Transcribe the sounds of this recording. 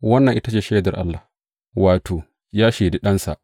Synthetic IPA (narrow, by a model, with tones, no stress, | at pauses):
wɐ˦nːɐ˨ŋʔɪ˦ta˦t͡ʃeː˦˨ʃeː˦dɐ˨rʔa̰˦lːa˨h | waː˨tʰoː˨ | jaː˦ʃe˨de˦ɗɐ˦nsa̰˨ʔ